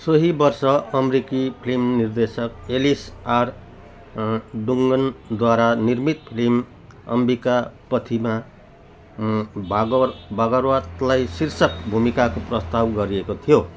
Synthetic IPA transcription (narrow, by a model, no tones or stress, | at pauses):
sʌɦibʌrsʌʌmɾikipʰlimnird̪esʌkelisar | ɖuŋɡʌnd̪waɾanirmit̪pʰilim | ʌ̰mbikapʌt̪ʰima | bbʱaɡʌrwat̪lajsirsʌkbʱumikakoprʌst̪abɡʌɾiekot̪ʰijo